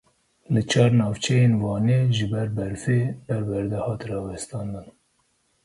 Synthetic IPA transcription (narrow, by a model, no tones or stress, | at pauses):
lɨt͡ʃʰɑːɾnɑːvt͡ʃʰɛjeːnvɑːneːʒɨbɛɾbɛɾfeːb̥ɛɾbɛɾd̪ɛhɑːt̪rɑːwɛst̪ɑːnd̪ɨn